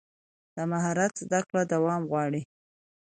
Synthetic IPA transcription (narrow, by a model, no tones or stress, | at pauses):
d̪̥əmaɦɑɾat̪zd̪akɽad̪awɑmɣwɑɽi